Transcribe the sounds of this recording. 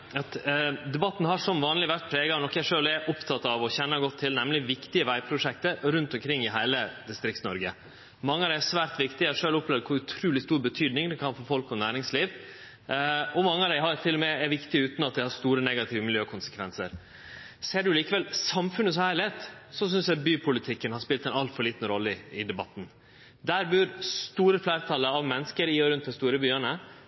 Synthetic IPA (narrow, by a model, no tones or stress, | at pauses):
ɑt̪d̪ɛbɑt̪ːn̩ɦɑʂɔmʋɑːnlɪʋæɾt̪̚pʰɾeːɡɑʋnɔkːjæɪʂøːlɛʔʊpt̪ʰɑt̪ɑʋɔçɛnːɑɡɔt̪ʰːɪlnɛmlɪʋɪkt̪ɪəʋæɪpʰɾʊʂɛk̚t̪əɾʉnt̪ɔmkʰɾɪŋːɪɦæɪləd̪ɪst̪ɾɪktsnɔɾɡə̰ | mɑŋːəɑʋd̪æɪæsʋæːɾt̪ʋɪkt̪ɪæʂøːlɔpʰlɛːʋd̪kʰʊɾʉt̪ʰɾuːlɪst̪uːɾbət̪ʰyːd̪nɪŋd̪ɛkʰɑnfɔɾfɔlkɔnæːɾɪŋsliːʋ | ɔmɑŋːəɑʋd̪æɪɦɑɾt̪ʰɪlːɔmɛɛʋɪkt̪ɪʉːt̪n̩ɑt̪̚d̪ɛɪhɑɾst̪uːɾənɛɡɑt̪ʰɪːʋəmɪljøːkʰʊnsə̥kʰʋɛnsə̰ɾ | seːɖʉliːkəʋɛlsɑmfʉnəs̬ɔhæːɾɭɪheːt̪sɔs̬ʏnsjæɑbyːpʰʊlɪt̪ʰɪkːənhɑspɪlt̪æɛɪnɑlfɔɾɭiːt̪ən̩ɾɔlːəɪɪd̪ɛbɑt̪ːn̩ | d̪æɾbʉɾst̪uːɾəflæːɾət̪ʰɑlːəɑʋmɛnːəskəɾɪɔɾʉnt̪d̪ɛst̪uːɾəbyːənə